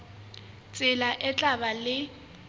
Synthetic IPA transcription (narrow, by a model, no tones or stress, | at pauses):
t͡sʼɪlaʔɛt͡ɬʼabalɪ